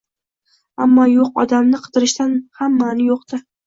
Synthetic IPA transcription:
amːɒjoqɒ̰d̪amnɪqʰɨ̥d̪ɪɾɪʃt̪anhamːanɪjoq̚d̪̥ɪ

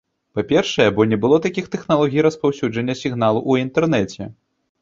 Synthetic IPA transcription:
papʲɛrʂɐjɛbɔnʲɛbɨlˠɔt̪akʲixt̪ɛxnalˠɔɣʲijɾɐspawsʲud͡ʐɐnʲːɐsʲiɣn̪alˠuʔuint̪ɛrnɛt͡sʲɛ

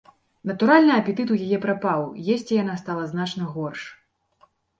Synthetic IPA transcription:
nɐt̪uɾalʲnɨɐpʲɛt̪ɨt̪ujajɛpɾapawjɛsʲt͡sʲijanast̪alˠɐznat͡ʂnɐɣɔrʂ

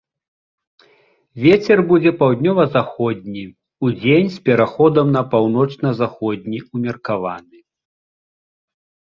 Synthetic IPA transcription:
vʲet͡sʲɛrbud͡zʲɛpawd̪ʲnʲɔvɐzaxɔd̪ʲnʲi | ud͡zʲenʲspʲɛɾaxɔd̪ɐmnɐpawn̪ɔt͡ʂnɐzaxɔd̪̚ʲnʲiumʲɐrkavanɨ

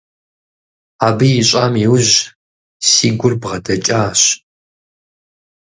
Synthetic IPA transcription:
aːbɨjɪɕʼaːmiwʒ | siːɡʷʊrbʁɐdɐt͡ʃʼaːɕ

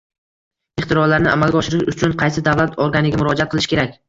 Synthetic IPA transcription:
ɪχt̪ɪɾɒllaɾnɪʔa̰malˠɡʲɒʃɪɾɪʃʊt͡ʃʰʊnqʰɑjsɪd̪avlat̪ʰɒɾɡʲanɪɡʲamʊɾɒd͡ʒat̪qɨlɪʃkʲe̞ɾak̚ʲ

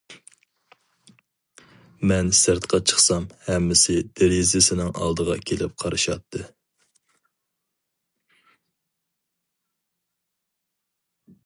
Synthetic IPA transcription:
mɛnsɪɾt̪qʰɑt͡ʃʰə̥χsɑmhɛmːɪsɪd̪eɾizɪsɪnɪŋʔɑ̰lˠd̪əʁɑ̰kʲʰelɪp̚qʰɑɾɨʃɑ̰t̪ʰːɨ

